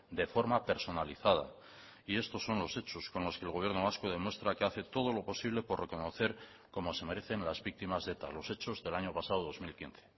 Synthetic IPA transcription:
d̪e̞fo̞ɾmape̞ɾso̞naliθað̞a̰ | ie̞st̪o̞sːo̞nlo̞se̞t͡ʃo̞sko̞nlo̞skeːlɣoje̞ɾno̞β̞askoð̞e̞mwe̞st̪ɾake̞aθe̞t̪o̞ð̞o̞lo̞po̞siβle̞po̞rre̞ko̞no̞θe̞ɾ | ko̞mo̞se̞me̞ɾe̞θe̞nlazβik̚t̪imazðe̞t̪a̰lo̞se̞t͡ʃo̞zðe̞laɲo̞pasaðoðo̞zmilkin̟θe̞̥

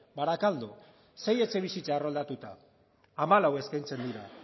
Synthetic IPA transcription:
baɾakald̪u | se̞je̞t͡se̞β̞isit͡saːro̞ld̪at̪ut̪aː | malawe̞skajnt͡se̞nd̪iɾa

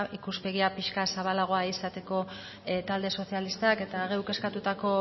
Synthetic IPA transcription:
ikuspe̞ɣiapiʃkasaβalaɣ̞o̞aisat̪e̞ko̞ | t̪ald̪e̞so̞sialist̪ake̞t̪aːɣewke̞skat̪ut̪ako̞

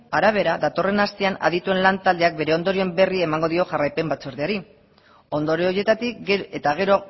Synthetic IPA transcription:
aɾaβ̞e̞ɾaðat̪o̞re̞nast̪eana̰ðit̪ue̞nlant̪ald̪eak̚be̞ɾe̞o̞nd̪o̞ɾie̞mbe̞rie̞maŋɡo̞ðio̞ʝarajpe̞mbat͡so̞ɾðeaɾi | o̞nd̪o̞ɾioje̞t̪at̪ikɡeet̪aɣ̞e̞ɾo

